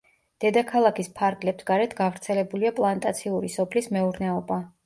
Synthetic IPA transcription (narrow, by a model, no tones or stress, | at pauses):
d̪̥ɛd̪akʰalˠakʰispʰaɾɡlɛpsɡaɾɛt̪ʰɡavɾt̪sʰɛlɛbuliapʼlˠant̪ʼat̪sʰiuɾisɔpʰlismɛuɾnɛɔba